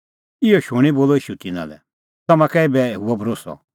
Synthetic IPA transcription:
ɪɔʃuɽ̃iboːlɔiːʃut̪ɪna̰lɛ̰ | t̪ɐmãkɛibɛɦuɔbʱɾoːsɔ̰

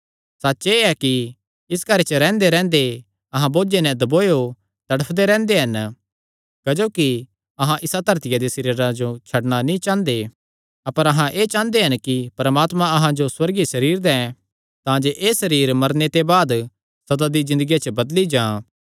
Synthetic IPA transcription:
sɐtːʃeɛki | ɪskɐɾet͡ʃəɾɛ̃ːnd̪eɾɛ̃ːnd̪e | ɐɦãboːd͡ʒenɛ̃d̪ɐboːjo | t̪ɐɽəpʰd̪eɾɛ̃ːnd̪eɦɐn | kɐd͡ʒoːki | ɐɦãʔɪsad̪ʱɐɾt̪ɪjad̪esɐɾiːɾãd͡ʒot͡ʃʰɐɽñanĩt͡ʃãːnd̪e | ɐpəɾɐɦãʔeːt͡ʃãːnd̪eɦɐnkipɐɾmaːt̪mãɐɦãd͡ʒoswɐɾɡisɐɾiːɾd̪ɛ̃ | t̪ãd͡ʒeʔeːsɐɾiːɾmɐɾnet̪ebaːd̪ | sɐd̪ad̪izɪ̃nd̪əɡijat͡ʃəbɐd̪lid͡ʒãː

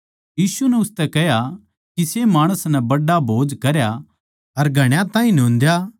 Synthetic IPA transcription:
jiːsunɛʊst̪ɛkɛɦja | kisemaːɽ̃əsnɛbɐɖːabʱoːd͡ʒkɐɾja | ɐɾɡʱɐɽ̃jãt̪ãːĩnõːnd̪ja

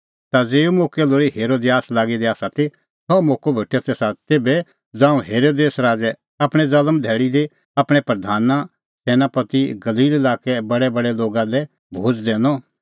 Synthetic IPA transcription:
t̪ad͡zeːumoːkɛloːɾiɦeːɾoːd̪ejaːslaːɡid̪iaːsat̪i | sɔmoːkobʱeʈʰːɛt̪eːsat̪eːbɛ | d͡zãːũɦeːɾoːd̪eːsɾaːd͡ʒɛ | apɽ̃ɛd͡zɐləmd̪ʱɛːɽid̪i | apɽ̃ɛpɾɐd̪ʱaːna | sɛːnapɐt̪iɡɐliːlelaːkɛbɐɽɛbɐɽɛloːɡalɛ | bʱoːt͡ʃd̪ɛ̃ːnɔ

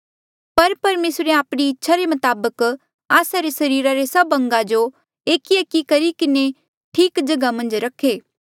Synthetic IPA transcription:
pɐɾpɐɾmeːsɾeaːpɽ̃iɪtːʃʰaɾemɐt̪aːbək | aːsaɾesɐɾiːɾaɾesɐbɐ̃ŋɡad͡ʒo | eːkiekikɐɾikɪne | ʈʰiːkd͡ʒɐɡamɐ̃nd͡ʒɾɐkʰeː

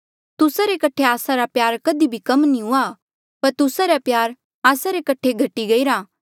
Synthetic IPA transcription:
t̪ʊsaɾekɐʈʰeaːsaɾapjaːɾkɐd̪ibʱikɐmnĩɦʊa | pɐɾt̪ʊsaɾapjaːɾ | aːsaɾekɐʈʰeɡʱɐʈːiɡɐiɾaː

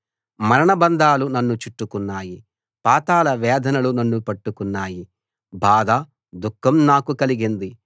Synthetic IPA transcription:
mɐɾɐɳɐbɐnd̪aːlunɐnːut͡ʃiʈːukunːaːji | paːt̪aːlɐʋɛːd̪ʱɐnɐlunɐnːupɐʈːukunːaːji | bʱaːd̪ɐ | d̪ukʰːɐmnaːkukɐliɡind̪i

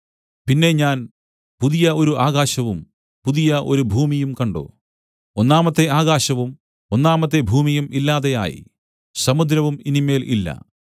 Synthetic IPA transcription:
pinːe̞ɲaːn | puðijɐʔo̞ɾuʔaːɣaːɕɐʋum | puðijɐʔoɾubʱuːmijumkɐɳɖo̰ː | onːaːmɐt̪ːe̞aːɣaːɕɐʋum | o̞nːaːmɐt̪ːe̞bʱuːmijumilːaːðe̞ja̰ːjḭ | sɐmud̪ɾɐʋuminime̞ːlʔḭlːɐ̰

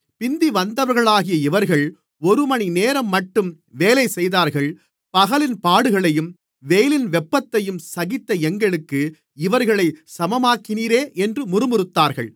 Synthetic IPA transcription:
pɪnd̪iʋɐnd̪ɐʋɐɾɣɐɭaːɣɪjɐɪʋɐɾɣɐɭ | ɔɾɯmɐnineːɾɐmːɐʈːɯm | ʋeːlɐɪsɛjðaːɾɣɐɭ | pɐɣɐlɪnpaːɽɯɣɐɭɐjɯm | ʋeːjlɪnʋɛpːɐt̪ːɐjɯmsɐɣɪt̪ːɐɛŋɡɐɭɯkːɯ | ɪʋɐɾɣɐɭɐɪsɐmɐmaːkːɪniːɾeːʔɛndrɯmʊɾɯmɯɾɯt̪ːaːɾɣɐ̰ɭ

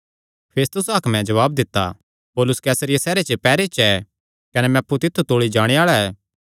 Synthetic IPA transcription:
pʰeːst̪ʊsaːkmɛ̃d͡ʒɐʋaːb̚d̪ɪt̪ːa̰ | poːlʊskɛːsəɾɪjasɛːɾet͡ʃəpɛːɾet͡ʃɛ | kɐnɛmɛ̃ɐpːut̪ɪt̪ʰːut̪oːɭid͡ʒaːɽ̃eaːɭaɛː

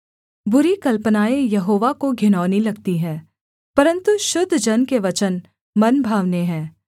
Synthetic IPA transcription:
bʊɾikɐlpənaːejɐɦoːʋakoɡʱɪnɔːnilɐɡt̪iɦɛ̃ː | pɐɾə̃nt̪uʃʊd̪ʱːd͡ʒɐnkeʋɐt͡ʃən | mɐnbʱaːʋneɦɛ̃ː

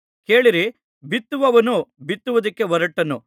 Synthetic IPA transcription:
ke̞ːɭiɾi | bit̪ːuʋɐʋɐnubit̪ːuʋɐd̪ɐkːe̞ʋɐɾɐʈːɐnːu

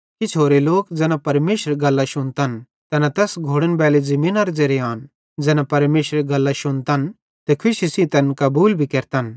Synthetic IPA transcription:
kit͡ʃʰoːɾeloːkd͡zɛːnãpɐɾmeːʃəɾeɡɐlːaʃʊnt̪ɐn | t̪ɐnat̪ɛːsɡʱoːɽənbɛːlezɐmĩːnɐɾd͡zeɾeaːn | d͡zɛːnãpɐɾmeːʃɾeɡɐlːaʃʊñt̪an | t̪ekʰʊʃisĩt̪ɐnkɐbuːlbʱikeːɾt̪an

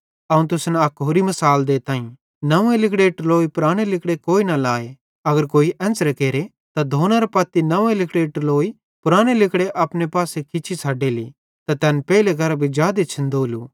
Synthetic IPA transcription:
ɐũnt̪̬ʊsnɐkɦoːɾimɐsaːld̪eːt̪ãːĩ | nɐʋẽlɪkɽeʈloːipʊɾaːɽ̃elɪkɽekoːinɐlaːe | ɐɡəɾkoːiʔɛ̃ːnsɾekeːɾe | t̪ad̪ʱoːnaɾepɐt̪ːinɐʋẽlɪkɽeʈloːi | pʊɾaːɽ̃elɪkɽeʔɐpnepaːsekɪt͡ʃʰisʰaːɖeːlḭ | t̪at̪ɛːnpɛːlek̬ɐɾabʱid͡ʒjaːd̪et͡ʃʰɐ̃nd̪oːlṵː

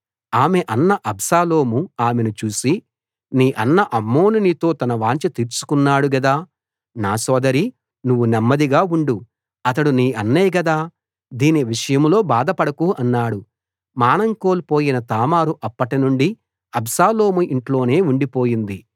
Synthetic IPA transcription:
aːme̞ʔɐnːɐʔɐbʱsaːlo̞ːmuaːme̞nut͡ʃuːsi | niːʔɐnːɐʔɐmːo̞ːnunit̪o̞ːt̪ɐnɐʋaːɲt͡ʃɐt̪iːɾt͡ʃu̥kunːaːɽuɡɐd̪aː | naːsɔːd̪ɐɾi | nuʋːunɐmːɐd̪iɡaːuɳɖu | ɐt̪ɐɽuniːʔɐnːeːɡɐd̪aː | d̪iːniʋiʂɐjɐmlo̞ːbaːd̪ɐpɐɽɐkuʔɐnːaːɽu | maːnɐŋko̞ːlpo̞ːjinɐt̪aːmaːɾuʔɐpːɐʈinuɳɖi | ɐbsaːlo̞ːmuiɳʈlo̞ːne̞ːuɳɖipo̞ːjind̪i

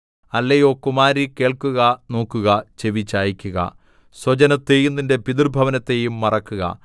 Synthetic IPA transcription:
ɐlːejokːumaːɾike̞ːɭkuɣɐno̞ːkːuɣɐt͡ɕe̞ʋit͡ɕːaːjikʲːuɣɐ̰ | swɐd͡ʑɐnɐt̪ːejunːindepid̪irbʱɐʋɐnɐt̪ːe̞jumːɐrɐkːuɣɐ̰

